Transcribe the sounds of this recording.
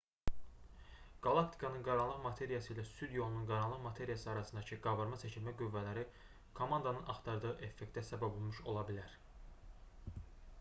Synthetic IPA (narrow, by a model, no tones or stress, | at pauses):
ɡ̥ɑlˠɑkt̪ʰi̥kʰɑnɯnɡɑɾɑnlˠɯʁmɑt̪ʰe̞ɾijɑsɯjlæsyd̪jo̞lˠununɡɑɾɑnlˠɯʁmɑt̪ʰe̞ɾijɑsɯɑɾɑsɯnd̪ɑcʰɯɡɑvɑɾmɑsʰæt͡ʃʰilmæɡyvːælæɾi | kʰo̞mɑnd̪ɑnɯnɑχt̪ʰɑɾd̪ɯɯʔe̞fːekt̪æsæbæbo̞lˠmuʃo̞lˠɑbilæɾ